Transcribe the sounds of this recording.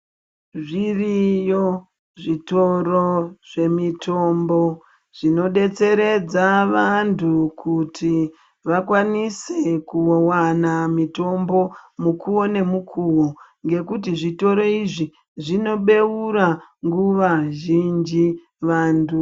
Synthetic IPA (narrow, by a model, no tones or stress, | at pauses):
ʐirijo | ʐito̞ɾoʐe̞mitʰo̞mbo | ʐ̥ino̞ɗe̞t͡se̞ɾe̞d͡zaʋantʰukʰutʰi | ʋakwanisekuowanamito̞mbo̞mukuwo̞ne̞mukʰuwoŋɡe̞kutiʐito̞ɾo̞iʐi | ʐino̞ɓe̞uɾaŋɡuʋaʒind͡ʒi | ʋaːntu